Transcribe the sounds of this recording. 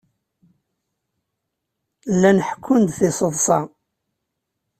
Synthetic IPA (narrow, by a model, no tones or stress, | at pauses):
lːænəħkʰːʊnd̪θɪsˤəðˤsˤɑ